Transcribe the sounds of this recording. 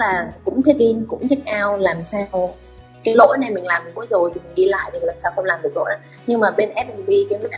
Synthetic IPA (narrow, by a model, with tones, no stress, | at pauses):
laː˨˩kʊ̰˧˥ŋ͡mt͡ɕʰi˦˥k̚ʔi˧nkʊ̰˧˥ŋ͡mt͡ɕʰi˦˥k̚ʔaː˧wlaː˨˩msaː˧w | kaː˨˦jlo̰˧˥jna˨˩jmï˨˩ŋ̟laː˨˩mi˨˩kṵ˧˥zo˨˩jt̪ʰi˨˩mi˨˩ŋ̟ɗi˧la̰ː˧˨jt̪ʰi˨˩laː˨˩saː˧wxə˧ŋ͡mlaː˨˩mɗɨ˨˩ək̚lo̰˧˥jʔaː˨˦ɲɨ˧ŋmaː˨˩ɓe˧nʔɛ˦˥p̚mi˨˩ŋ̟ɓi˧ki˨˦mi˨˦ʔ